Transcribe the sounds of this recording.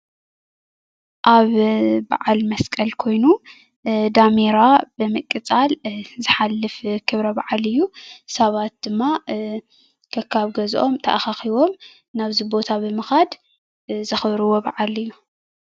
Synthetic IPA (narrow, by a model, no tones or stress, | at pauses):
ʔaβba̰ʕalmɐskʼɐlkʰo̞jnu | d̪ameɾabɨmɨkʼːɨt͡sʼalzɨħalːɨfkʰɨβɾɐbaʕalɨjːusɐβat̪̚d̪̥ɨmːa | kʰɐkʰːaβɡɐzʔo̞̰mt̪ʰɐ̰ʔaxaxiβo̞m | naβzibo̞t̪ʰabɨmɨxad̪ | zɐxβɾɨwo̞baʕalɨjːu